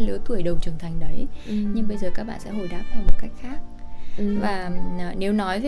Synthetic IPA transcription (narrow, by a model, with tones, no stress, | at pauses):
lɨ˨˦t̪ʰu˧˩əjɗə˨˩wŋ͡mt͡ɕɨ˧˩əŋt̪ʰa˨˩jŋ̟ɗə˨˦jɲɨ˧ŋɓə˧jzəː˨˩kaː˦˥k̚ɓa̰ː˧˨sɛ̰˧˥ho˨˩jɗa̰ː˧˥p̚t̪aː˧mo˨˩ka˦˥jk̟̚xaː˦˥k̚vaː˨˩˨ne˨˦wnɔ˨˦jv